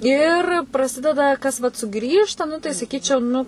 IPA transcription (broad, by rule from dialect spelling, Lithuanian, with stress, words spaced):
ɪr prɐˈsʲɪdʲɛdɐ ˈkɐs ʋɐt sʊˈɡrʲiːʃtɐ ˈnʊ tɐɪ sɐˈkʲiːt͡ʃʲɛʊ ˈnʊ